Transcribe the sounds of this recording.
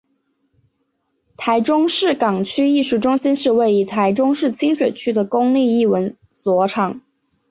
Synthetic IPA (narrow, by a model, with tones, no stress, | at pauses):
t̪ʰa˧˥ɪʈ͡ʂʊ˥ŋʂɻ̩˥˩kɑ˨˩ŋt͡ɕʰy˥i˥˧ʂu˥˩ʈ͡ʂʊ˥ŋɕi˥nʂɻ̩˥˧we˥˩ɪi˧˥t̪ʰa˧˥ɪʈ͡ʂʊ˥ŋʂɻ̩˥˩t͡ɕʰi˥ŋʂwe˨˩ɪt͡ɕʰy˥d̪ə˨kʊ˥ŋli˥˧i˥˩wə˧˥n | swɔ˧˥ʈ͡ʂʰɑ˨˩˦ŋ